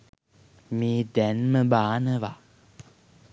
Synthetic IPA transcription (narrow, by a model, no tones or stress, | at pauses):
mĩdɛnməɓaːnəva